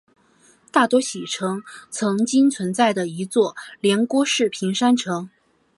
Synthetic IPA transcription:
t̪a˥˩t̪wɔ˥ɕi˨˩ʈ͡ʂʰɤ˧˥ŋt͡sʰɤ˧˥ŋt͡ɕi˥ŋt͡sʰwə˧˥nt͡sa˥˩ɪd̪ə˩i˧˥t͡swɔ˥˩ljɛ˧˥nkwɔ˥ʂɻ̩˥˩pʰi˧˥ŋʂa˥nʈ͡ʂʰɤ˧˥ŋ

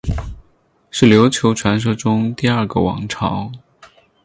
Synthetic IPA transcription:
ʂɻ̩˥˩ljo˧˥ʊt͡ɕʰjo˧˥ʊʈ͡ʂʰwa˧˥nʂ̬ɤ˥ʈ͡ʂʊ˥ŋt̪i˥˧ɐ˞˥˩ɡə̰˨˩wɑ̰˧˥ŋʈ͡ʂʰɑ̰˧˥ʊ

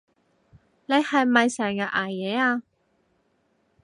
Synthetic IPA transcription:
ne˨˧jhɐ˨jmɐ˨jsɛː˨˩ŋka˧ʔaː˨˩jjɛː˨˧aː˧

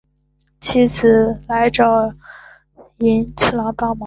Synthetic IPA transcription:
t͡ɕʰi˥t͡s̩ʰ˨˩la˧˥ɪʈ͡ʂɑ˥˩ʊ | i˧˥nt͡ɕʰi˥˩lɑ˧˥ŋpɑ˥˩mɑ˧˥

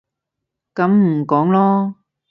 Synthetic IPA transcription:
kɐ˨˧˥mm̩˨˩kɔː˨˥ŋlɔː˥

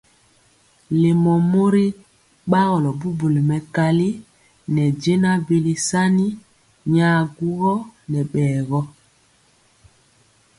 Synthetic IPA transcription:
le˨mɔ˨mo˦ɾi˦ | ɓa˦ɣɔ˨lɔ˨bu˦bu˨li˨mɛ˨ka˦li˦ | nɛ˨d͡ʒe˦na˦bi˦li˦sa˦ni˦ | ɲaː˦ɡu˦ɣɔ˦nɛ˨ɓɛː˨ɣɔ˦

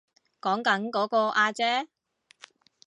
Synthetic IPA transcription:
kɔː˨˥ŋkɐ˨˥nkɔː˨˥kɔː˧ʔaː˧t͡sɛː˥

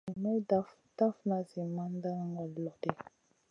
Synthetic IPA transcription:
i˨mɛ˦da˦f | da˦fna˨zi˨ma˦n˦da˦ŋɡɔ˨lɔ˨te˦

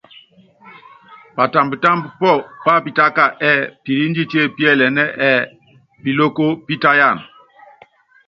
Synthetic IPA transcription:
pa˨ta˨mbta˦mbpɔ˦˨pa˦˨pi˨ta˦ka˨ʔɛ˨pi˨ɾi˦nd͡ʒi˦te˦˨pi˦ɛ˦˨lɛ˨nɛ˦ʔɛ˨ | pi˨lo˦ko˦pi˦ta˦ja˦˨n

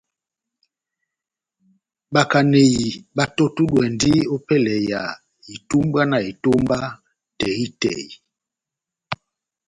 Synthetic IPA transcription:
ɓa˨ka˨ne˨ji˨ba˨to˦tu˦ɗwɛ˨ndi˦o˦pɛ˦lɛ˨ja˨ | i˨tu˦mba˦na˨i˨to˦mba˦ | tɛ˨ɣi˦tɛ̰˨i˨

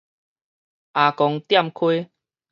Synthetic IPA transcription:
ʔa˨kɔ˧ŋt̪ja˥˧˨mkʰwe˦

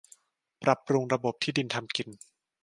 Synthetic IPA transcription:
pɾa˨˩pɾu˧ŋɾa˧bo˨˩p̚t̪ʰiː˥˩di˧nt̪ʰa˧mki˧n

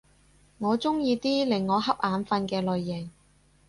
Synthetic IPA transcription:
ŋɔː˨˧t͡sʊ˥ŋjiː˧t̪iː˥lɪ˨˩ŋːɔː˨˧ɦɐ˥p̚ʔaː˨˧nfɐ˧nkɛː˧lɵ˨ɥːɪ˨˩ŋ

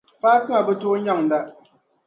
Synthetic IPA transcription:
paː˦tɨ˦ŋa˨bɨ˦toː˦ɲa˦˨ŋ̩˨da˦ʔ

